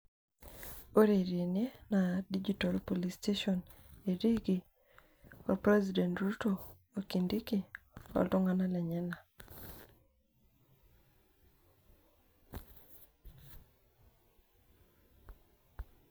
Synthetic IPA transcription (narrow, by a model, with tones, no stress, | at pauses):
o˦ɾe˨ɾje˨nje˦nadid͡ʒitalpo˨listeʃɔn | e˨ɾi˦ɡi˨ | ɔpɾɛzidɛ˨ntɾutoː˨ | kindi˦ki | a̰˨ltɔ˦ŋa˦na˦lɛ˨ɲɛ˦na˨